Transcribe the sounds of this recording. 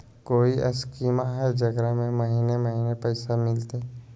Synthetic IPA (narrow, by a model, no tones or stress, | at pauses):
koːiʔɐ̰skiːmaɦɛd͡ʒɐɡɾəɦmẽmɐɦinemɐɦiːnepɛɪsamɪlt̪e